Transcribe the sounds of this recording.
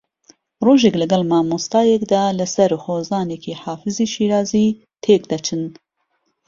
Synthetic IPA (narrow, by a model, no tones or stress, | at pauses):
roːʒeːklɐɡɛlmɑːmust̪ɑːjɛkd̪ɑːlɐsɐɾxoːzɑːnekʰiːħɑːfɨziːʃiːɾɑːziː | t̪ʰeːkd̪ɐt͡ʃʰɨn